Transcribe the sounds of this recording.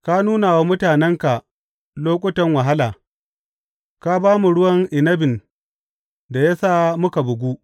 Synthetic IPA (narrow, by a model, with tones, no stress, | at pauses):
ka˦nuː˦na˨wa˦mʊ˦taː˨nɛ˦ŋka˨ | loː˦kʷʼʊ˦tɐ˦ŋwa˨ɦa˦laː˨ | ka˦baː˦mu˨ɽʊ˦wɐ˦ŋʔɪ˨nɐ˦bɪ˨n | da˨ja˦saː˦mʊ˦ka˨bʊ˨ɡʷu˦ʔ